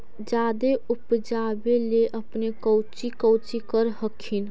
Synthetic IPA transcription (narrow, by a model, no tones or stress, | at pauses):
d͡ʒad̪eupd͡ʒabeleʔəpnekəwt͡ʃikəwt͡ʃikəɾɦəkʰin